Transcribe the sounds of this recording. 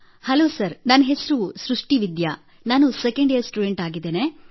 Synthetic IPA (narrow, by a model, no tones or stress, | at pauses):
hɐloːsɐɾnɐnɐɦesɾusɾuʂʈiʋid̪jɐ | naːnusekeɳɖejɐɾsʈuɖeɳʈaːɡid̪ːeːne